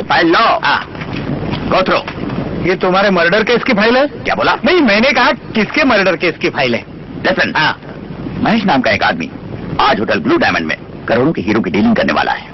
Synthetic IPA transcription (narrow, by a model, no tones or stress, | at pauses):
pʰaːɪlːɔːɦã̰ː | ɡoːt̪ʰɾo̰ːjet̪ʊmɦaːɾemɐɾɖəɾkeːskipʰaːɪlɦɛːkja̰ːboːlabɐɦĩmɛ̃ːnekɐɦakɪskemɐɾɖəɾkeːskipʰaːɪlɦɛ̰ː | lɪsə̃nɦãː | mɐɦeːʃnaːmkaeːka̰ːd̪mḭaːd͡ʒɦoːʈəlbluːɖaːɪmə̰̃ɳɖmḛ̃ | kɐɾoːɽõkeɦiːɾõkiɖiːlɪ̃ŋɡkɐɾnḛʋa̰ːlʔa̰ɦɛː